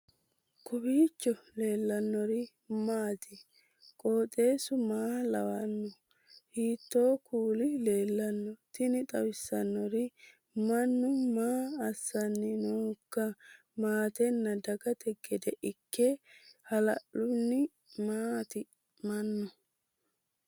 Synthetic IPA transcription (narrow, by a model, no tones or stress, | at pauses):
kʰʊbiːt͡ʃːɔle̞ːlːɐnːɔɾɪ | maːt̪ɪ | kʼoːt̪ʼe̞ːsʊmaːlɐ̰wɐnːɔ | hiːt̪ːo̞ːkʰuːlɪle̞ːlːɐnːɔt̪ɪnɪt̪ʼɐwɪsːɐnːɔɾɪ | mɐnːʊmaːɐsːɐnːɪnoːkːɐ | maːt̪ɛnːɐd̪ɐɡɐt̪ɛɡɛd̪ɛʔɪkʰːehɐlɐʔʊnːɪ | mat̪ɪ | mɐnːɔ